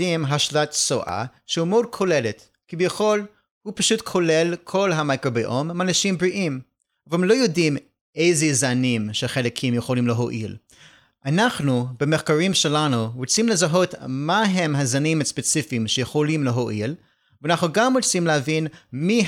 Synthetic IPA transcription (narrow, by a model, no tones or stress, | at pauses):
imɦaʃlatso̰ʔa̰ʃehumod̚kʰolelet | kibjaχol | hupaʃutkʰolelkʰolɦamakɾobiʔomanaʃimbɹiʔim | avemlo̞jodim | ʔejzezanimʃeχelekʰimjeχolimleɦoʔḭl | ʔanaχnubemeχkaɾimʃelanuʁut͡simlezaɦo̞tmaɦemɦazanimhaspet͡sifiːmʃejeχolimleɦoʔil | veanaχnuɡamʁot͡simlehavinmi